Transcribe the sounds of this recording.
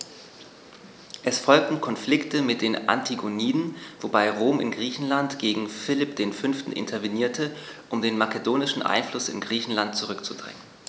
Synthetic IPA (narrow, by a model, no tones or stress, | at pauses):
ʔɛsfɔlk̚tn̩kʰɔnflɪktəmɪt̚d̥eːnʔa̰ntʰiɡoniːdn̩v̥obaɪʁoːmɪ̰nɡʁiːçn̩lantɡ̥eːɡŋ̩fɪlɪpd̥eːnfʏnftn̩ʔɪ̰ntʰɐveniːɐtʰə | ʔʊmdeːnmakədoːnɪʃn̩ʔa̰ɪnflʊsɪ̰nɡʁiːçn̩lant̚t͡suʁʏkt͡sud̥ʁɛ̰ŋən